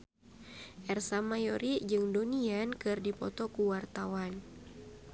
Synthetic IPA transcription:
ʔɛrsamajoɾid͡ʒɨŋdoniankɨrdipɔ̰t̪ɔkuwart̪awan

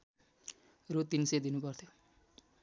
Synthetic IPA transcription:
rot̪insed̪inupʌrt̪ʰjo

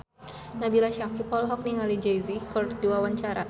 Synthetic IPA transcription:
nabilaʃakipɔlɦɔk̚niŋalid͡ʒejzikɔrt̪duawaɲt͡ʃaɾa

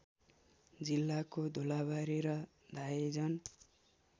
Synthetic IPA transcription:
d͡zilːakod̪ʱolaβaɾeɾʌ | d̪ʱajed͡zʌn

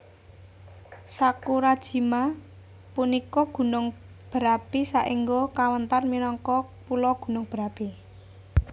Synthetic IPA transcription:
sakuɾad̥ʒ̥i̤ma | punikɔɡ̥ṳnʊŋ | b̥əɾapisaʔiŋɡokawənt̪arminɔŋkɔpulɔɡ̥ṳnʊŋb̥əɾapi

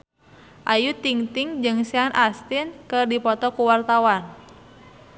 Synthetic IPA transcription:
ʔajut̪iŋt̪ɪŋd͡ʒɨŋsianʔast̪ɪnkɨrdipɔt̪ɔkuwart̪awan

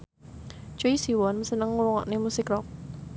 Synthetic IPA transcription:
t͡ʃuisiwɔnməsənəŋːuwɔŋɔ̰ʔnemusɪkɾɔk̚

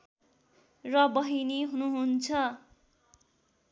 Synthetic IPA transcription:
rʌbʌɦiniɦunuɦunt͡sʰʌ

